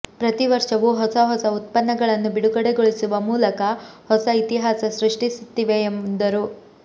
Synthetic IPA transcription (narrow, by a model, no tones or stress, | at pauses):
pɾɐt̪iʋɐɾʂɐʋuɦɔsɐɦɔsɐut̪̚pɐnːɐɡɐɭɐnːubiɽuɡɐɽeɡoɭisuʋɐmuːlɐkɐhɔsɐit̪iɦaːsɐsɾiʂʈisut̪ːiʋeːmnd̪ɐɾu